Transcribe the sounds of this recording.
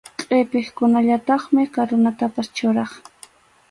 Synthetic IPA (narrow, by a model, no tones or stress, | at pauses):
qʼepɪχkʊnaʎat̪ɑχmɪkaɾʊnat̪apast͡ʃʊɾɑχ